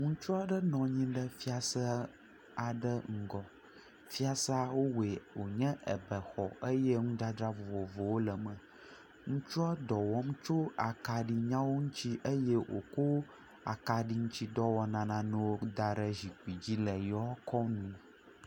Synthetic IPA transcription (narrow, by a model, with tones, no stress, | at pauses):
ŋũ˦t͡ʃu˦a˦ɖə˦nɔ̃˨ɲĩ˦ɖə˦fi˦a˨sə˦ | a˨ɖə˦ŋ̩˨ɡɔ˨ | fi˦a˦sa˦wo˦we˨wo˨ɲɛ̃˦ʔə̰˨bɛ˨xɔ˨ə˦jɛ˦ŋũ˦d̪a˦dɾa˦vɔ˨vɔ˨vo˨wo˦lə˨mə̃˨ | ŋũ˦t͡ʃu˦a˦dɔ˨wɔ˦m̩˦t͡ʃo˦a˨ka˨ɖi˨ɲã˦wo˦ŋũ˦t͡ɕi˦ʔə˦je˦ʔo̰˨ko˦ | a̰˨ka˨ɖi˦ŋũ˦t͡ɕi˦ɖɔ˦wɔ˨nã˨nã˨nɛ̃˦wo˦d̪a˨ɖə˦zi˨k͡pi˨d͡ʑi˦lə˨jɔ˦kɔ˦nũ˦˨